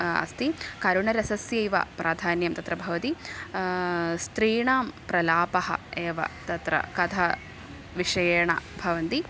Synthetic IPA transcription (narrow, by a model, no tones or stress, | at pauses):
ɐ̰st̪ikɐɾuɳɐɾɐsɐsjɐjʋɐ̰pɾʔaːd̪ʱaːnjɐmt̪ɐt̪ɾɐbʱɐʋɐt̪i | st̪ɾiːɳaːmpɾɐlaːpɐɦɐ̰eːʋɐ̰t̪ɐt̪ɾɐ̰kɐd̪ʰʱɐ | ʋiʂɐjɐɳɐ̰bʱɐʋɐnt̪i